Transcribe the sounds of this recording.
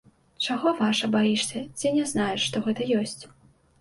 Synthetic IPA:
t͡ʂaɣɔvaʂɐbajiʂsʲɐt͡sʲinʲɛznajɛʂʂt̪ɔɣɛt̪ɐjɔsʲt͡sʲ

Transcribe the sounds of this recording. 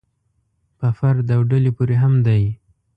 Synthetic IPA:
pəfaɾd̪awɖəlepuɾeɦamd̪aj

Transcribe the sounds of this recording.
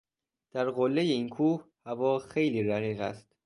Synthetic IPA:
d̪̥æɾɢolːejeiːnkʰuːhhævɒːxe̞jliːɾæɣiːɣæ̰st̪

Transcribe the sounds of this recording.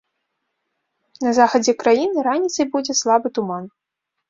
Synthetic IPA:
nɐzaxɐd͡zʲɛkɾajinɨɾanʲit̪sɐjbud͡zʲɛslˠabɨt̪uman

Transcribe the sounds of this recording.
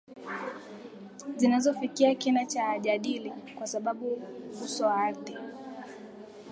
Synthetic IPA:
zinazɔfikiakinat͡ʃaːʄaɗilikwasaɓaɓuhusɔaɾði

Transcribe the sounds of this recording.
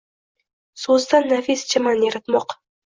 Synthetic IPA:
sɵzd̪anːafist͡ʃʰɪmanjeɾɪt̪mɒq

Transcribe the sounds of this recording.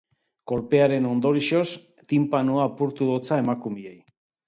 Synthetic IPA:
ko̞lpe̞aɾe̞no̞nd̪o̞ɾiʃo̞s | t̪impanuapuɾt̪uðo̞t͡sae̞makumie̞j

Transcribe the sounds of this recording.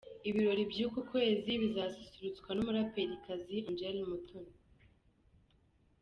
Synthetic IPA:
iβiɾo̞ɾibjuːkukwe̞ːziβizasisiɾut͡skwanumuɾapeɾikaziond͡ʒelmutʰun

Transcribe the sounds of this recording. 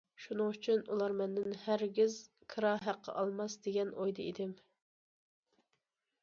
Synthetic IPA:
ʃunɨŋyt͡ʃʰynṵlˠɑɾmɛnd̪ɪnhæɾɡʲiz | kʰɨɾɑɦæqːɑ̰ʔɑlˠmɑsd̪eɡʲɛnʔojd̪ɨḭd̪ɪm

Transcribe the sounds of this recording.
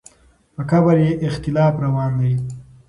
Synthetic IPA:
pəkabaɾjeʔɪxt̪ɪlɑːfɾawɑːnd̪a

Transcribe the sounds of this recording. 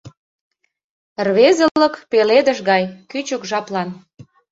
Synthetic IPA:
rβezə̆lə̆kpeled̪ə̆ʃɣɑjkyt͡ɕəkʒɑplɑn

